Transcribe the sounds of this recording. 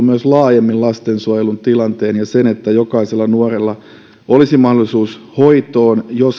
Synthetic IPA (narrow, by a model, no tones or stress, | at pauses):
myøslɑːjemːillɑst̪ensuɑjelunt̪ilɑnt̪eːnjɑsenet̪ːæjokɑiselːɑnuorelːɑ | olisimɑhdolisuːshoit̪oːnjos